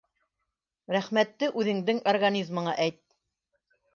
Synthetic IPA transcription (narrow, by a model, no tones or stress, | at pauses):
ɾæχmæt̪ːɘʔʉðɘ̆ŋd̪ɘŋorɡanʲizmɤ̆ɴɑʔæjt̪̚